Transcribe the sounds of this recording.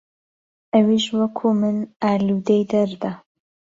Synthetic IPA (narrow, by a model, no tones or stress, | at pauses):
ʔɐwiʃwɐkʰumɨnaːlud̪ejd̪ɐɾd̪ɐ